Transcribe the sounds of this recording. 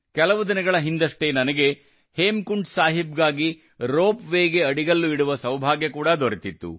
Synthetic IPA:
kɛlɐʋud̪inɐɡɐɭɐɦind̪ɐʂʈenɐnɐɡe̞ | heːmkuɳɖsaːɦib̚ɡaːɡi | ɾoːpʋeːɡe̞ɐɽiɡɐlːuiɽuʋɐsɐwbʱaːɡjɐkuːɽɐd̪oɾet̪it̪ːṵ

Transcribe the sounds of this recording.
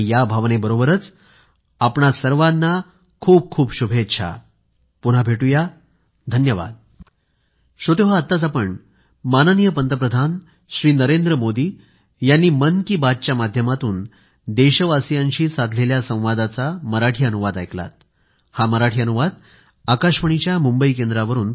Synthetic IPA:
jabʱaʋnebəɾobəɾət͡s | apɳasəɾʋad̪nːa | kʰuːb̚kʰuːbɕubʱet̪ːɕʰa̰ | puɽ̤abʱeʈuja | d̪ʱənjəʋa̰d̪̚ | ɕot̪eʋaːt̪ːat͡sapəɳ | manənijəpənt̪əpɾəd̪ʱan | ɕɾiːnəɾend̪ɾəmod̪iː | janːiːmənkiːbat͡ɕjamad̪ʱjəmat̪uːn | d̪eɕəʋasijãɲɕiːsad̪ʱleljasə̃w̃ʋad̪at͡saməɾaʈʰiːənuʋad̪ajkla̰t̪̚ | haməɾaʈʰiːənuʋad̪ | akaɕməɳ̃it͡ɕjamumbəikend̪ɾaʋəɾuːn

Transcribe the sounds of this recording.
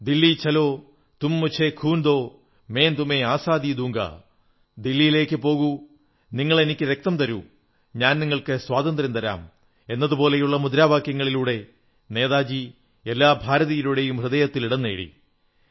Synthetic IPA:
d̪ilːit͡ɕɐlo̞ː | t̪umːut͡ɕʰekʰuːnd̪o̞ː | me̞ːnt̪ume̞aːsaːd̪id̪uːŋɡɐ̰ | d̪ilːijile̞ːkːɨpo̞ːɣu | niŋːɐɭe̞nikʲːɨɾe̞k̚t̪ɐmt̪ɐɾṵ | ɲaːnniŋːɐɭkɨswaːd̪ɐnd̪ɾɐmt̪ɐɾa̰ːm | e̞nːɐðupo̞ːle̞juɭːɐmud̪ɾaːbaːkjɐŋːɐɭiluːɽe̞ | ne̞ːðaːd͡ʑi | elːaːbʱaːɾɐðɐjiluɽe̞jumprɨðeːjɐt̪ːiliɽɐnːeːɽḭ

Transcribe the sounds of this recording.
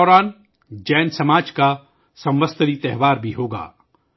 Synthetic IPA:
ɔːɾaːn | d͡ʒɛːnsɐmaːd͡ʒka | sɐ̃mʋəst̪əɾit̪ɛɦʋaːɾbʱiɦoːɡa̰ː

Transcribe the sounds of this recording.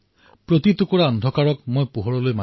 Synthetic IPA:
pɹot̪it̪ʊkɔɹaɔndʱɔkaɹɔkmojpuɦɔɹɔlojma

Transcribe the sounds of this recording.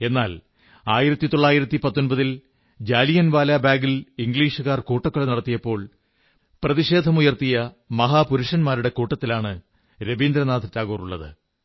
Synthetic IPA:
e̞nːaːl | aːjiɾɐt̪ːit̪oɭːaːjiɾɐt̪ːipɐt̪ːo̞nbɐðil | d͡ʑaːlijɐnʋaːlaːbaːɡiliŋɡɭiːʂuɣaːrkuːʈːɐkːɐɭenɐɽɐt̪ːijɐpːo̞ːɭ | prɐðiʂe̞ːd̪ʱɐmujɐrt̪ijɐ | mɐɦaːpuɾuʂɐnmaːɾuɽe̞kuːʈːɐt̪ːilaːɳɨ | ɾebiːnd̪ɾɐnaːd̪ʱɐtːaːɣoːruɭːɐ̰ðɨ̰

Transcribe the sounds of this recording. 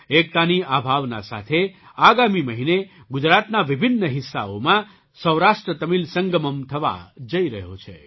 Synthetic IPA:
ek̚t̪aniabʱaʋna̰sa̰t̪ʰeaɡamiməɦineɡʊd͡ʒɾat̪naʋibʱinːəɦɪsːa̰o̰mã | səwɾaʃʈɾət̪əmilsəŋɡəməmt̪ʰəʋa̰d͡ʒəiɾəɦjo̰t͡ʃʰḛ

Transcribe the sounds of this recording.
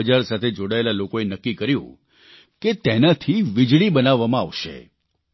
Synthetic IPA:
əd͡ʒaɾsat̪ʰed͡ʒoɽaelalokoenəkːikəɾjṵ̃ | ket̪enat̪ʰiʋid͡ʒɭibənaʋːamãa̰ʋʃḛ

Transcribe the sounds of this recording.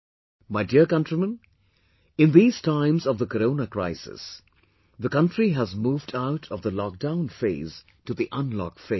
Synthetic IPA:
maɪdiəɹkʌ̃ntɹ̥imə̃n | ɪ̃nðiːz̥tʰãɪ̃mzʌvðəkəɾõʊnəkɹ̥aɪsɪ̰s | ðəkʌ̃ntɹiɦæzmuːvdaʊɾʰʌvðəlɔk̚d̥ãʊ̃nfeɪz̥ | tuðiʔʌ̃nlɔ̰k̚fe

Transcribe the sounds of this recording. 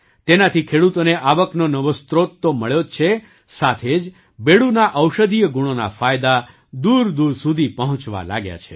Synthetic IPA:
t̪enat̪ʰikʰeɽut̪oneʔaʋəknonəʋost̪ɾot̪ːoməɭjot͡ʃʰe | sat̪ʰed͡ʒ | beɽunaʔəwʃəd̪ijəɡuɽ̃ona̰fajd̪a | d̪uɾd̪uɾsud̪ʱipəɦɔ̃t͡ʃʋa̰la̰ɡja̰t͡ʃʰe

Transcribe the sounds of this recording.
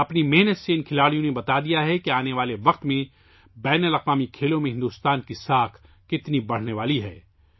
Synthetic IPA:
ɐpnimɛɦnət̪seɪnkʰɪlaːɽijõnebɐt̪ad̪ijaɦɛkeaːneʋaːleʋɐq̚t̪mẽ | bɛːnəlɐqʋaːmikʰeːlõmẽɦɪ̃nd̪uːst̪aːnkisaːkʰ | kɪt̪nibɐɽ̤neʋaːliɦɛː

